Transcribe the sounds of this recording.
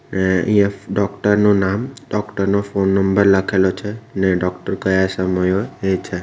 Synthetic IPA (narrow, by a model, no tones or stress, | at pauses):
neə̰ijãɖɔkʈəɾnonamɖɔkʈəɾnofonːəmbəɾləkʰelot͡ʃʰeneɖɔkʈəɾɡəjasəməjoet͡ʃʰe